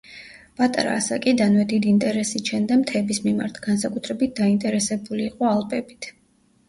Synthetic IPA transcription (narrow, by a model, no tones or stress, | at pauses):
pʼat̪ʼaɾa̰ːsa̰kʼid̪anvɛd̪id̪iːnt̪ʼɛɾɛsit͡ʃʰɛnd̪amt̪ʰɛːbismimaɾt̪ʰɡ̥ansakʼut̪ʰɾɛbit̪̚d̪aint̪ʼɛɾɛsɛbuliːqʼɔalˠpʼɛbit̪ʰ